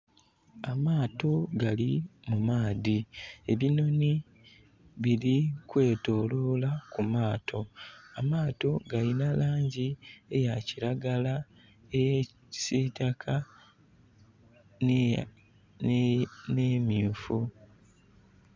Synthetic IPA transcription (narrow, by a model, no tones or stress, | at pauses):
amaːto̞ɡalimumaːðie̞βino̞ni | βiɾikwe̞ːto̞ːlo̞ːlakumaːtʰo̞amaːto̞ɡalinalaːɲɟie̞jaciɾaɡala | eje | sitakʰa | ne̞ːmifu